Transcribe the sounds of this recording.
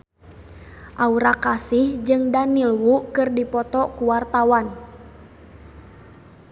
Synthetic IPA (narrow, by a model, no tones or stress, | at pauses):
ʔauɾakasihd͡ʒɨŋdanilwukɨrdipɔt̪ɔkuwart̪awan